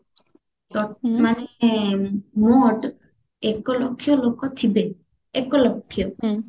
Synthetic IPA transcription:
t̪ɔmane | moɖ | ɛkɔlokʰːjɔlokɔt̪ʰibe | ekɔlokʰːijɔ

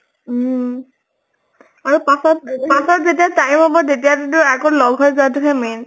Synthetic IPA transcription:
aɹupasɔt̚pasɔtzet̬iatajmɦɔbɔzet̬ijattʊakɔlɔɡʱɦɔjzʊatʊɦɛmen

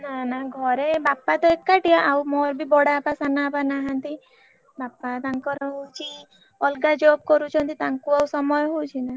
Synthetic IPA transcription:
nanaɡʱɔɾebapːat̪ɔekːaʈijaʔawmɔɾbibɔɽapasanapanaɦant̪i | bapːat̪aŋkɔɾɔɦowt͡ʃʰi | ɔlɡad͡ʒob̚kɔɾut͡ʃʰɔnt̪it̪aŋkuawsɔmɔjɦowt͡ʃʰina

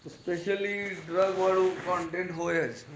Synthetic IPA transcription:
speʃəliɖɾəɡʋaːɭokɔ̃ːɳʈẽɳʈɦoːjəd͡ʒ

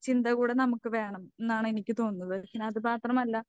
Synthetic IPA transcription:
t͡ɕind̪ɐɣuːɽe̞nɐmukːɨʋe̞ːɳɐmenːaːɳɨenikʲːɨt̪o̞ːnːɐðɨkːineɐðɨpaːt̪rɐmɐlːɐ

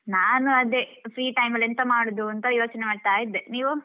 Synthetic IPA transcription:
naːnuɐd̪epɾiːʈɐjmɐlent̪ɐmaːɽud̪uɐnt̪ɐjo̞ːt͡ʃɐnemaːɖt̪aːjid̪ːeniːʋu

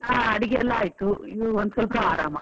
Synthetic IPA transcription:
aːɐɽiɡeɛlːaaːjt̪uid̪uond̪sɐlɐpɐaːɾaːmɐ

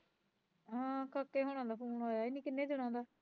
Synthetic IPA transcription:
ãːkəkːeːɦoɽ̃ãːd̪aːpʰuːnaːjaːɪnːĩːkɪnːeːd͡ʒəɽ̃ãːd̪aː

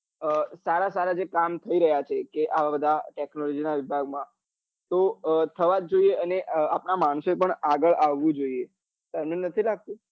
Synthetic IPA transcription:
əsaɾasaɾad͡ʒekamt̪ʰəiɾəɦjat͡ʃʰekeʔaʋabəd̪ʱaʈeknolɔd͡ʒinaʋɪbʱaɡ̚mã | t̪ot̪ʰəʋad͡ʒd͡ʒoieəneʔapnamaɳ̃soepəɳaɡəɭaʋːũd͡ʒoie | t̪əɾmenət̪ʰilaɡ̚t̪ũ

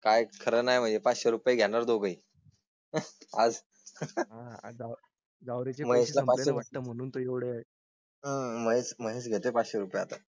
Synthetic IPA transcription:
kajkʰəɾəːnajm̤əɳd͡zepat͡sɕeɾupjeɡʱjaɽaɾd̪oɡəi | ad͡z | ad͡za | ɡawɾet͡ɕeməeɕlapaeaəm̤əɽ̃uːnt̪oeʋɽeaɦ | əməɦesməɦes̬ɡʱet̪epat͡sɕeɾupjat̪a

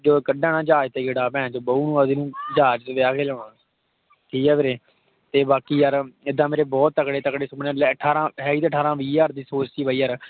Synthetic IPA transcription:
d͡ʒoːkəɖãːnãːd͡ʒaːd͡ʒt̪eːɡɪɽaːpɛ̃ːt͡ʃoːbəuːnũːəd̪iːnũːd͡ʒaːd͡ʒt̪ʋeaːkʰeːloːɳa | kiːɛːʋeɾeː | t̪eːbaːkiːjaɾɪd̪ãːmeːɾeːbɔːt̪ːəkɽeːt̪əkɽeːsʊbnːlːəʈʰːaːɾãːɦɛːiːt̪eːəʈʰːaːɾãːʋiːjaːɾd̪iːsoːt͡ʃsiːbaːiːəɾ

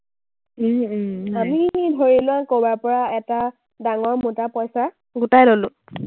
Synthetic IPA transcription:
amidʱoɹilʊakobaɹpɔɹaɛta | daŋɔɹmutapɔjsa | ɡutajlolʊ̃

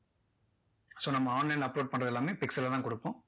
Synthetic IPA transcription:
soːnɐmːɐaːnlɛlɐpːloːɖ̚pɐɳɾɐðɛlːaːmeːpɪksɐlːt̪ãːkɔɽɯpːõ

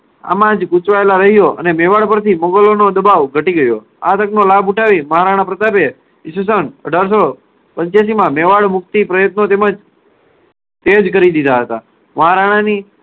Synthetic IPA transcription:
a̰mãd͡ʒkut͡ʃʋaelaɾəɦijoʔə̰nemeʋaɽpəɾt̪iməŋɡəlonod̪əbaʋɡʱəʈiɡəjo | a̰t̪əknolabuʈʰaʋiməɦaɾaɽ̃ãpɾət̪ape | ɪs̬us̬ənə̰ɖʱaɾs̬o | pəɲt͡ʃjas̬imãmeʋaɭmʊk̚t̪ipɾəjət̪not̪eməd͡ʒ | t̪ed͡ʒkəɾid̪id̪aɦət̪a̰ | məɦaɾaɽ̃ani

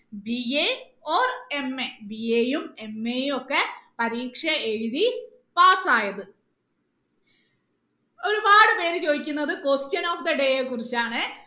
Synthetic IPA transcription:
bie | oːre̞mːebieːjume̞mːejumo̞kːepɐɾiːkʂɐeɻuði | paːsaːjɐðɨ | o̞ɾubaːɽɨpe̞ːɾɨt͡ɕo̞ːðikʲːunːɐðɨkostjɐno̞ːfd̪ɐɖe̞jekːurit͡ɕːaːɳɨ

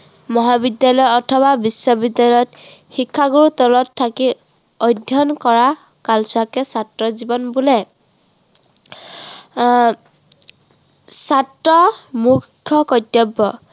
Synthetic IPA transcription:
mɔɦabidjalɔjɔtʰɔβabisːɔbidjallɔjɔtxikʰːaɡuɹutɔlɔtʰːaki | ɔjdʱjɔnkɔɹa | kalsɔakɛsatɹɔzibɔnbulɛ | satɹɔmukʰːjɔkɔtjɔbːɔ

